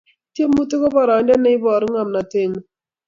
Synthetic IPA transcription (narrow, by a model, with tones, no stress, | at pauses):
tje˦mu˦tɪ˦kɔ˦bɔ˦˨ɾa˨ɛ˨ndɛ˦nɛ˦ɪ˦bɔ˨ɾŋa˨mna˨te˦˨ŋ˨